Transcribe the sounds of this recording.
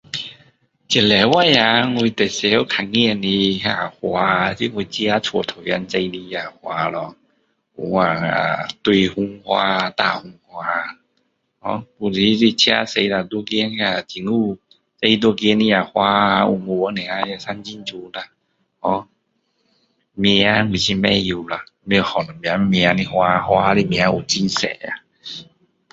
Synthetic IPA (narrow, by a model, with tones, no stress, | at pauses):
t͡ɕi˨˩lɛ˨˩wa˦˧˨ja˧˦ŋwi˧t̪ɛ˨˩se˧o˦kʰa˨ŋi˧˨ni˧ɦa˧˩hwa˧ti˧˨ŋ˧i˧t͡ɕja˦˧˦t͡sʰwɔ˨˧t̪ʰo˨˩ja˧nt͡se˧jni˧a˨hwa˧lɔ˧ | ṵ˨˦a˨˩a̰˨t̪wi˧hu˧ŋhwa˧t̪a˧˨hu˧ŋhwa˧ | hɔ̰˧˦pu˧˨li˨˧˦li˧˨t͡ɕʰja̰˧˦se˧jla˨˧˨d̪o˦ɡe˧˦n˧a˧˨t̪ʰi˨˩ŋu˦ | se˧i˧d̪o˦ɡe˧˦ni˧a˨˩hwa˧a˧u˧˨ŋo˨˧a˦nɛ̃˨a˧sa˦nd͡ʒi˦nd͡ʒu˧la˨ | hɔ˧˦ | me˧a˧˦mi˨si˧mɛ˧˦ju˧la˨me˧˨hɔ˨nɔ˨mĩ˨a˨˧˦mi˧a˧ni˧hwa˧hwa˧li˦˧˦mĩ˧˨a˧˦u˨t͡ɕi˦nsɛ̰˨˦a̰˨